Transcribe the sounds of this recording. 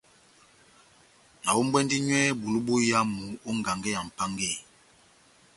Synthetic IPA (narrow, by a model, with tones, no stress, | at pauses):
na˨wo˦m˦bwɛ˦ndi˦ɲwɛ˦bu˨lu˦bo˦ja˦mu˨˦o˦ŋɡa˨ŋɡɛ˦ja˨m̩˨pa˦ŋɡe˦˨